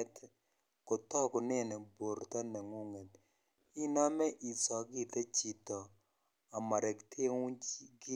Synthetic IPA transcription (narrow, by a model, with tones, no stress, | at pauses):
ɛ˦t | kɔ˨tɔ˦kɔ˨nɛ˦nɛ˨bo˨ɾt̪a˦na˨ŋu˦ŋɛ˨t̪ | i˦na˦mɛ˦ʔi˨sɔ˨ɡɪ˦t̪a˦t͡ʃi˨tɔ˨ | a˨ma˨ɾɛ˨ktʰe˦ŋu˦d͡ʒɡɪ˦